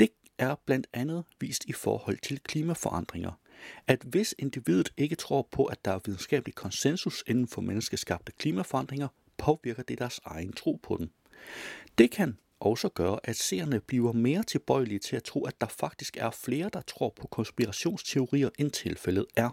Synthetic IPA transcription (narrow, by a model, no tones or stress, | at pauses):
d̥e̝ | æɐb̥læn̰d̥ænð̞̩ˠʋḭːsd̥ifɒ̰ːhɒ̽l̰t͡sʰe̝lkʰliːmæfɒ̽ʔɑ̈n̰d̥ʁeŋɐ | æd̥ʋe̝se̝nd̥iʋið̞̰ˠð̩ˠe̝ɡ̥ət͡sʰʁo̝̰ːpʰɒ̽ʔæ̥ɑ̈æɐʋið̞ˠn̩sɡ̥ɛ̰ːb̥likʰɒ̽nsensuse̝nn̩fɒ̽menəsɡ̥əsɡ̥ɑ̈b̥̚d̥əkʰliːmæfɒɑ̈n̰d̥ʁeŋɐ | pʰɒ̽ʋiɐɡ̥ɐd̥e̝d̥æɐsɑ̈ɪnt͡sʰʁo̝̰ːpʰɒ̽d̥em | d̥e̝kʰæn | ʔɒ̽ʊsɒɡ̥ɶːɐʔæd̥sḛːɐnəb̥liːɐme̝ːɐt͡sʰe̝lb̥ɒ̽ɪ̰lit͡sʰe̝læt͡sʰʁo̝̰ːæd̥ɑ̈fɑ̈ɡ̥̚d̥isɡ̥æɐfle̝ːɐd̥ɑ̈t͡sʰʁo̰ːpʰɒ̽kʰɒ̽nsb̥iʁɑɕo̝̰ːnst͡sʰe̝o̝ʁḭːɐʔent͡sʰe̝lfelð̞̩ˠæɐ